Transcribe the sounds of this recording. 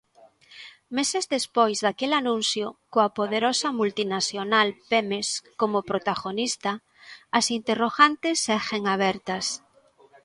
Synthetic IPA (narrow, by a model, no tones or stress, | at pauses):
mesezðespojzðakelanũnθjokoapoðeɾosɐmult̪inaθjonalpemeskomopɾot̪aɣonist̪ɐ | ɐsint̪eroɣant̪esːɛxeŋaβ̞ɛɾt̪ɐs